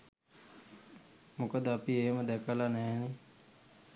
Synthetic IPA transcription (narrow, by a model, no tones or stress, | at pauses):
mukəd̪əapieːməd̪ɛkəlanɛːni